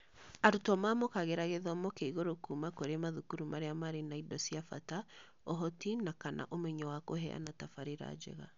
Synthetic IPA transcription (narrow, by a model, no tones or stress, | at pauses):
aɾutɔmamokaɣeɾaɣeðɔmɔkeiɣoɾokumakoɾemaðukuɾumʔaɾeamaɾenaidɔsiafa̰ta | ɔɦɔtinakanʔa̰ʔomɛɲɔwakoɦɛ̰a̰natafaɾeɾa̰d͡ʒɛ̰ɣa̰